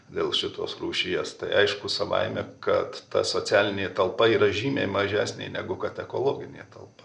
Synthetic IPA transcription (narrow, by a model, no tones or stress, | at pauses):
d̪ʲeːlˠʃʲɪt̪o̰ːsruːʃʲɪjɛst̪ɐɪɐɪʃkʊsɐʋɐ̰ɪmʲɛkɐt̪t̪ɐ̰soːt͡s̪ʲæːlʲɪnʲeːt̪ɐlˠpɐiːɾɐʒʲiːmʲḛɪmɐʒʲæːsʲnʲɛ̰ɪnʲæɡʊkɐt̪ʲɛkoːlˠoːɡʲɪnʲḛːt̪ɐlˠpɐ